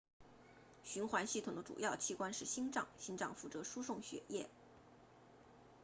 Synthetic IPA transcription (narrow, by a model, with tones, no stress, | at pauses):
ɕy˧˥nxwa˧˥nɕi˥˩t̪ʰʊ˨˩ŋd̪ə˦ʈ͡ʂṵ˨˩jɑ˥˧ʊt͡ɕʰi˥˩kwa˥nʂɻ̩˥˩ɕi˥nʈ͡ʂɑ̰˥˩ŋɕi˥ŋʈ͡ʂɑ˥˧ŋfu˥˩t͡sɤ˧˥ʂu˥ʂʊ˥˩ŋɕɥɛ̰˧˥jɛ˥˩